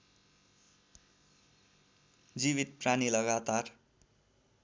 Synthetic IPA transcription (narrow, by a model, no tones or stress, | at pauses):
d͡ziβit̪̚pranilʌɡat̪ar